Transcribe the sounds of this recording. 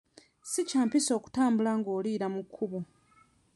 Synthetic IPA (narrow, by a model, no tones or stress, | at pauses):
sicaːmpiso̞ːku̥taːmbulaŋɡo̞ːliːɾamukʰːuβu